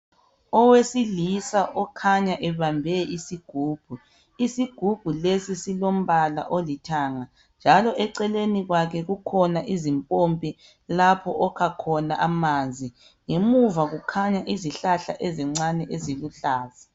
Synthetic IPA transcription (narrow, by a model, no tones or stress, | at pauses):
ɔwesilisaʔɔkʰaɲaʔɛβambʱɛisiɡ̥ʱuːb̥ʱu | isiɡ̥ʱub̥ʱulesisilom̩βala̰ʔolitʰaŋa | nd͡ʒʱalɔʔɛǀɛleniɣwakʰɛɣukʰɔnaʔizimpʼompʼi | lapʰɔʔɔkʰakʰɔnaʔamaːnd͡zʱi | ŋemuvaɣukʰaɲaʔiziɬaɬa̰ʔɛzɛŋ͡ǀanɛʔeziluɬaːza